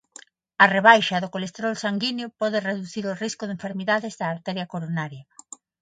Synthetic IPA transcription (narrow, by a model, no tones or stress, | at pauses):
ɐreβ̞ajʃɐðokolest̪eɾɔlsaŋɡinjopɔðɪreðuθiɾoriskʊðẽɱfeɾmiðaðɪzðɐːɾt̪ɛɾjɐkoɾonaɾjɐ